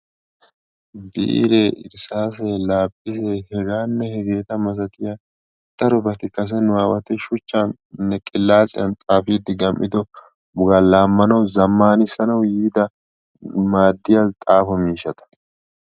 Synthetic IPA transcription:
bḭːɾeʔɪ̰ɾsaːs̬ɛlaːpʼːɪsehɛɡaːnːɛhɛɡe̞ːt̪ɐmɐsɐt̪ɪja | d̪̥ɐɾɔbɐt̪ɪkɐs̬ɛnʊwaːwɐt̪ɛʃʊt͡ʃːan | nːɛkʼɪlːaːt͡sʼɪ̰jɐnt̪ʼaːfɪjɪd̪ːɪɡɐmʔɪd̪ɔ | bʊɡalaːmːɐnɐwzɐmːaːnɪsɐnɐwjiːd̪ɐ | maːd̪ːɪjat̪ʼaːfɔmiːʃɐt̪ɐ̥

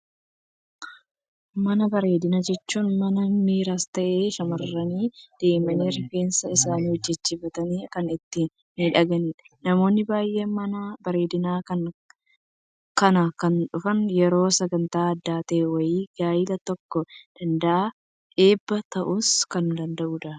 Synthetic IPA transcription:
mɐnɐbɐɾe̞ːd̪ɪnad͡ʒɛt͡ʃːuːnmɐnɐmiːɾaːst̪ɐʔeːʃɐmɐrːɐniːd̪̥e̞ːmɐneːɾɐke̞ːnsɐɪsaːniːhɔd͡ʒːɛt͡ʃːiːbɐt̪ɐniːkɐnɪt̪ːɪ | nɪᶑɐɡɐn | nɐmo̞ːnːɪbaːjʔeːmɐnɐbɐɾe̞ːd̪ɪnaːkɐn | kɐnɐkɐnᶑʊfɐnjɛɾo̞ːsɐɡɐnt̪aːɐd̪ːaːt̪eːwɐjiːɡ̥aːjɪlɐt̪ɔkːɔd̪̥ɐnd̪ɐʔaː | ʔe̞ːbːɐt̪ɐʔuskɐnd̪ɐnd̪ɐʔuːᶑɐ

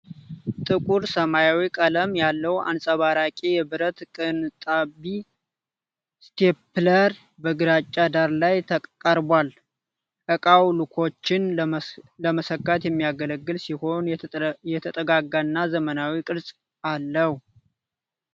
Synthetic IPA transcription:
t̪ʼɨkʼuɾsəmajawikʼələmjalːəwa̰nsʼəβaɾakʼijɛbɨɾət̪kʼɨnt̪ʼabi | st̪ʰepləɾ | bəɡɨɾat͡ʃʼːad̪aɾlajt̪ʰəkʼkʼːəɾbwal | ʔəkʼawlɨkʰo̞t͡ʃːɪn | ləməsəkːat̪jɛmːijaɡələɡːɨlsiho̞njɛt̪ʰət̪ʼəɡaɡanːazəmənawikʼɨɾsʼ | alːəhu

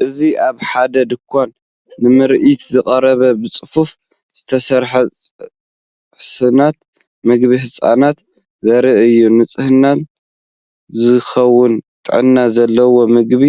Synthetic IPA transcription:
ʔɨziʔaβħad̪ɐd̪ɨkʷʰːanː | ɨmɨɾʔit̪zɨkʼɐɾɐβɐbɨt͡sʼɨfuf | z̥ɨt̪ʰɐsɐɾħɐ | sɨnat̪ | mɨɡbiħɨsʼa̰nat̪ | zɐɾɨʔɨjːunɨt͡sʼɨhɨnːan | zɨxɐwʊnt̪ʼɨ̰ʕɨnːazɐlːɐwo̞mɨɡbi

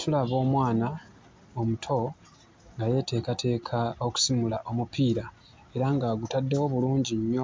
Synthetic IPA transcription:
tʰulaβo̞ːmwaːna | omutʰo̞ | ŋɡaje̞te̞ːkatʰe̞ːkʰao̞ku̥simulaʔo̞mupiːɾa | e̞ɾaŋɡaɡutadːe̞wo̞βuluːɲɟiɲːo

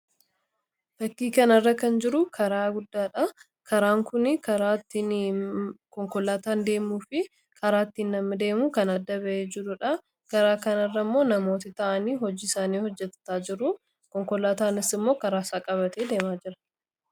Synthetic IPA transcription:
b̥ɐkːiːkɐnɐrːɐkɐnd͡ʒɪɾʊkʰɐɾaːɡʊd̪ːaːᶑɐ | kʰɐɾaːŋkʊnɪkɐɾaːt̪ː | kɔŋkɔlaːt̪aːnd̪e̞ːmuːfɪ | kʰɐɾaːt̪ːiːnːɐmːɐd̪e̞ːmuːkɐnɐd̪ːɐbɐʔeːd͡ʒɪɾʊᶑɐ | kɐɾaːkɐnɐrːɐmːo̞ːnɐmo̞ːt̪ɪt̪ɐʔɐniːɦɔd͡ʒiːɪsaːniːhɔd͡ʒːɛt̪ːɐ̥t̪aːd͡ʒɪɾʊ | kɔŋkɔlaːt̪aːnɪsɪmːo̞ːkɐɾaːsaːkʼɐβɐt̪eːd̪e̞ːmaːd͡ʒɪɾɐ̥

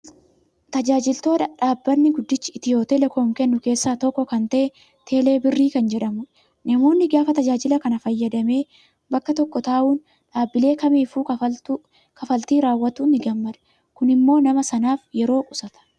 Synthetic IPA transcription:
t̪ɐd͡ʒaːd͡ʒɪlt̪o̞ːd̪ɐᶑaːbːɐnːɪɡʊd̪ːɪt͡ʃːɪɪt̪ɪjo̞ːt̪elɛkoːŋkɛnːʊke̞ːsːaːt̪ɔkːɔkɐnt̪ɐʔɛ | t̪ʰe̞ːle̞ːbɪrːiːkɐnd͡ʒɛᶑɐmʊᶑ | nɐmo̞ːnːɪɡaːfɐt̪ɐd͡ʒaːd͡ʒɪlɐkɐnɐfɐjːɐd̪ɐme̞ː | bɐkːɐt̪ɔkːɔt̪aːʔuːn | ᶑaːbːɪle̞ːkɐmiːfuː | kɐfɐlt̪iːɾaːwːɐt̪uːnɪɡɐmːɐᶑ̪ɛ̥ | kʊnɪmːo̞ːnɐmɐsɐnaːfjɛɾo̞ːkʼʊsɐt̪ɐ̥

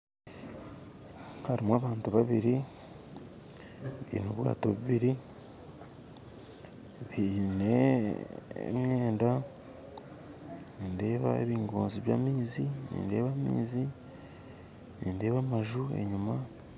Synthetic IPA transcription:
haɾimwaːβaːntuβaβiɾi | βḭːnuβwa̰ːto̞βuiβiɾi | βine̞ | ḛmɲe̞ːnda | ninde̞ːβa̰ḛβiːŋɡoːnziβja̰ːmiːzinḭːnde̞ːβamḭːzi | ninde̞ːβamaʒue̞̰ɲuma

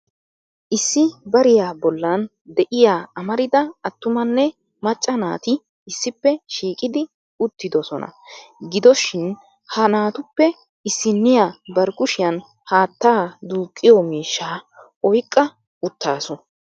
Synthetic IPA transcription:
ʔɪsːɪbɐɾɪjaːbɔlːɐn | d̪ɛʔɪjaːɐmɐɾɪd̪ɐɐt̪ːʊmɐnːɛ | mɐt͡ʃʼːɐna̰ːt̪ɪ | ɪsːɪpːɛʃiːkʼɪd̪ɪ | ʊt̪ːɪd̪ɔsɔ̰nɐ̰ɡɪd̪ɔʃɪn | hɐnaːt̪ʊpːɛ | ɪsːɪnːɪjabɐɾɡʊʃɪjɐn | haːt̪ːaːd̪uːkʼːɪjɔmiːʃːaː | ɔjkʼːɐ | ʊt̪ːaːsɔ

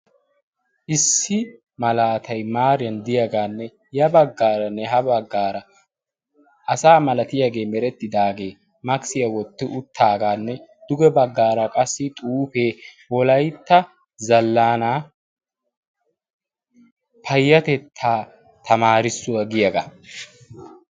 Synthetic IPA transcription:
ʔɪsːɪ | mɐlaːt̪ʰɐjmaːɾɪjɐnd̪ɪjɐɡaːnːɛ | jɐbɐɡːaːɾɐnːɛɦɐbɐɡːaːɾɐ | ʔɐsaːmɐlɐt̪ɪjaɡe̞ːmɛɾɛt̪ːɪd̪aːɡe̞ː | mɐksɪjɐwɔt̪ːɪʔʊt̪ʰːaːɡaːnːɛd̪̥ʊɡɛbɐɡːaːɾɐkʼɐsːɪt̪ʼuːfe̞ːwɔlɐjt̪ːɐ | zɐlːaːnaː | pʰɐjːɐt̪ɛt̪ʰːaː | t̪ʰɐmaːɾɪsːʊwɐɡɪjɐɡa̰

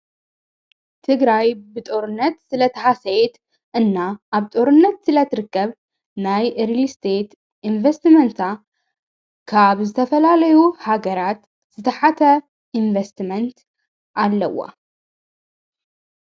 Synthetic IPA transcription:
t̪ʰɨɡɾajbɨt̪ʼo̞ɾɨnːɐt̪sɨlɐt̪ʰɐhasejt̪ | ʔɨnːaʔaβt̪ʼo̞ɾɨnːɐt̪sɨlɐt̪ʰɨɾɨkːɐβ | najʔɨɾlist̪ʰet̪ | invɐst̪mɐnt̪ʰa | kʰaβzɨt̪ʰɐfɐlalɐjuhaɡɐɾat̪ | z̥ɨt̪ʰɐħat̪ʰɐ | ʔiɱvest̪mɐnt̪ | ʔalːɐ̰wːɐ̰

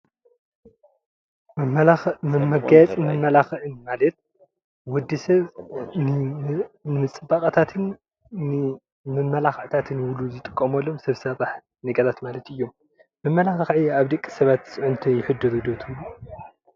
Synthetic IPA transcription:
mɨmɐɡajɛt͡sʼmɨmɐlaxʕɨnmalɐt̪̚ | wɔd̪ːisɐβn | nɨmɨt͡sʼɨbaχʼɐt̪ʰat̪ʰɨnː | mɨmɐlaxɐʕt̪ʰat̪ʰɨnwluzɨt̪ʼɨkʼːɐmɐlːomsɐβsɐβaħ | nɐɡɐt̪ʰat̪malɐt̪ɨjːom | mɨmːɐlaxxʕijaβd̪ɐkʼːi̥sɐβat̪sʼɨʕʊnt̪ʰojɪħɨd̪ɐɾud̪ot̪ʰɨlu

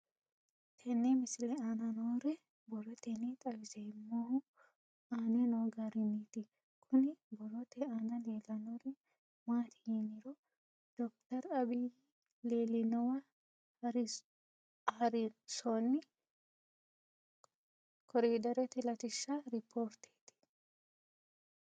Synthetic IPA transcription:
t̪ʰɛnːɛmɪsɪlɛanɐnoːɾɛ | bɔrɔt̪ɛnɛt̪ʼɐwɪzɛjmːohʊ | aːnɛnoːɡaɾɪnːit̪ɪ | kʰʊnɪbɔrɔt̪ɛanɐleːlɐnoːɾɛ | maːt̪ɪ̥hinɪɾɔ | d̪̥ɔk̚t̪ɐɾɐbi | leːlɪnɔwɐ | hɐɾɪ | hɐɾɪsɔnːɪ | kʰɔɾiːd̪ɐɾɛt̪ɛlɐt̪ɪʃːɐɾɪpʰːoːɾt̪e̥ːt̪ɪ̥

